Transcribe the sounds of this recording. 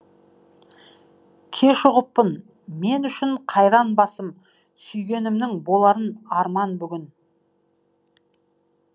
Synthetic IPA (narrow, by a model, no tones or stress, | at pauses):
kʲʰe̞ʃʊʁəpːən | me̞nʏʃɪɴqʰɑjɾɑnbɑsəm | sʏjɡʲe̞nɪmd̪ɪŋbo̞lˠɑɾənɑɾmɑnbʏɡʲɪn